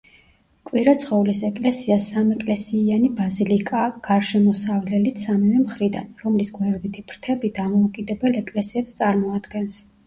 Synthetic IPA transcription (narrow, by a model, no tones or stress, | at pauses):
kʼwiɾat̪sʰχɔvlisɛkʼlɛsiasːamɛkʼlɛsiːanibazilikʼaɡ̥aɾʃɛmɔsavlɛlit̪samivɛmχɾid̪a̰nɾɔmlisɡwɛɾd̪it̪ʰib̥ɾt̪ʰɛbid̪amɔukʼid̪ɛbɛlɛkʼlɛsiɛpst̪sʼaɾmɔad̪ɡɛns